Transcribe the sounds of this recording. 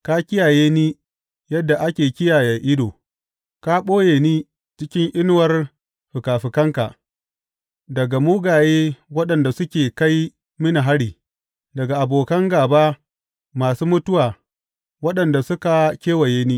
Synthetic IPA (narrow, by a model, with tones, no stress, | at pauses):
ka˦kʲɪ˦jaː˨jeː˦niː˦ | jɐ˦dːa˨ʔa˦kʲeː˨kʲɪ˦jaː˨jɐ˨ʔɪ˦doː˨ | ka˦ɓoː˦jeː˨niː˦ | t͡ʃɪ˦kʲɪ˦ŋʔɪ˦n˦wɐ˦r | ɸɪ˨kaː˨ɸɪ˨kɐ˦ŋka˨ | dɐ˨ɡa˨muː˦ɡaː˨jeː˦wɐ˦ɗɐ˨nda˨sʊ˦kʲeː˨ka˦j | mɪ˦ni˨ɦa˦ɽiː˨ | dɐ˨ɡa˨ʔa˨boː˨kɐ˦ŋɡaː˨baː˦ | maː˨suː˦mʊ˦tʊ˦waː˨ | wɐ˦ɗɐ˨nda˨sʊ˦ka˨kʲeː˦wɐ˨jeː˦niː˦